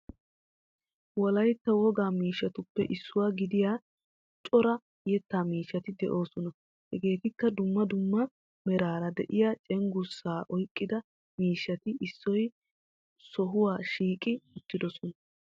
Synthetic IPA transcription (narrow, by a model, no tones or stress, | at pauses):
wɔlɐjt̪ːɐwɔɡaːmiːʃːɐt̪ʊpːɛ̰ʔɪsːʊwaːɡɪd̪ɪjaː | t͡ʃʼɔɾɐ | jɛt̪ːaːmiːʃːɐt̪ɪd̪ɛ̰ʔo̞ːsɔnɐ | hɛɡe̞ːt̪ɪkːɐd̪ʊmːɐd̪ʊmːɐ | mɛɾaːɾɐd̪ɛʔɪjat͡ʃʼɛŋɡʊsːaːʔɔjkʼːɪd̪ɐ | miːʃːɐt̪ɪʔɪsːɔj | sɔɦʊwaːʃiːkʼɪʊt̪ːɪd̪ɔsɔnɐ